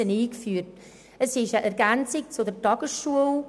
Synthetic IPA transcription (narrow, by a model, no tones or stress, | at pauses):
əniːkfyːrt | əsɪʃəʔɛɾɡænt͡sɪk̚t͡sudəɾtɑɡ̥əsʃuəl